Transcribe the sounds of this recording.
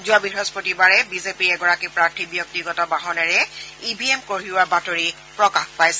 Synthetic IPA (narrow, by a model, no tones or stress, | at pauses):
zuabiɦɔspotibaɹɛbizepiɹɛɡɔɹakipɹaɹtʰibjɔk̚tiɡɔtɔbaɦɔnɛɹɛibʱiemkoɹiwabatoɹi | pɹɔkaxpajsɛ